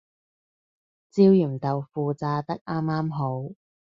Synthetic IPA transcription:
t͡siː˧wjyː˨˩mt̪ɐ˨wfuː˨t͡saː˧t̪ɐ˥k̚ʔaː˥mːaː˥mɦo˨˥w

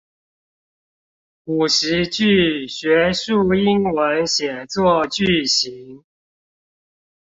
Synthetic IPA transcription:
u˨˩ʂɻ̩˧˥t͡ɕy˥˩ɕɥɛ˧˥ʂu˥˩i˥nwə˧˦nɕjɛ˨˩nt͡swɔ˥˧t͡ɕy˥˩ɕi˧˥ŋ

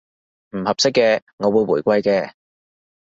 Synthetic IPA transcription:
m̩˨˩hɐ˨p̚sɪ˥kːɛː˧ŋɔː˨˧wu˨˧jwuː˨˩jkʷɐ˧jkɛː˧

